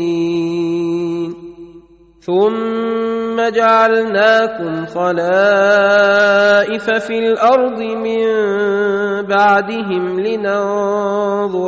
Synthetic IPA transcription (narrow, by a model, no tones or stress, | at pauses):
n | θʊmː | ad͡ʒaʕalnaːkʊmxɑlaː | ʔɪfafilʔɑɾˤd̪ˤɨmɪmn | baʕd̪ɪɦɪmlɪnaː | ðˤ